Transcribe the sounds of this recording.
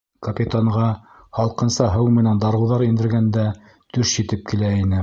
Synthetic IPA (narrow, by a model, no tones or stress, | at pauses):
kɐpʲit̪aɴʁɑ | hɑlˠqɤ̆nsɑɦɤwmɘ̆nænd̪ɑɾɤ̆wðɑɾind̪ɘ̆ɾɡænd̪æ | t̪ɵʃʑit̪ɘp̚kilæinɘ